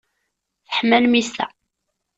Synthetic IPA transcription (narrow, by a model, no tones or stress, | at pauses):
θəħmːælmist̪æ̰